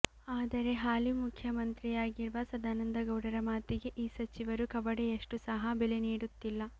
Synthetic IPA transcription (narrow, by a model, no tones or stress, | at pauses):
aːd̪ɐɾe̞ɦaːlimukʰjɐmɐnt̪ɾijaːɡiɾʋɐsɐd̪aːnɐnd̪ɐɡɐwɽɐɾɐmaːt̪iɡe̞ʔiːsɐt͡ʃiʋɐɾukɐʋɐɽeeʂʈusɐɦɐbeleniːɽut̪ːilːɐ